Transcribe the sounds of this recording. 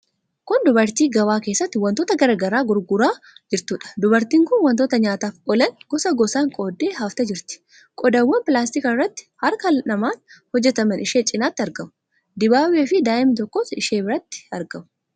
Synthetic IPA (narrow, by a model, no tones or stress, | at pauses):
kʊnd̪ʊbɐɾt̪iːɡɐwaːkeːsːɐt̪ːɪwɐnt̪oːt̪ɐɡɐɾɐɡɐɾaːɡʊɾɡʊɾaː | d͡ʒɪɾt̪uːᶑɐ̥d̪ʊbɐɾt̪iːŋkʊnwɐnt̪oːt̪ɐɲaːt̪aːfɔlɐŋɡ̥ɔsɐɡɔsaːŋkʼo̞ːd̪ːeːɦaft̪ɐd͡ʒɪɾt̪ɪ̥ | kʼɔd̪ɐwːɐnpɪlaːst̪ɪkɐɪrːɐt̪ːɪ̥hɐɾkɐlnɐmaːnhɔd͡ʒːɛt̪ɐmɐnɪʃeːt͡ʃʼɪnaːt̪ːɪɐɾɡɐmʊ̥ | d̪ɪbaːweːfɪd̪aːʔɪmɪt̪̬ɔkːoːsɪʃeːbɪɾɐt̪ːɪ̥ɐɾɡɐmʊ